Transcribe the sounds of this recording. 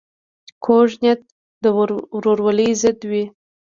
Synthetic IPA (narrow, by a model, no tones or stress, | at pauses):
kʰoʒnet̪̚ | d̪əɾoɾwalijzɪd̪wi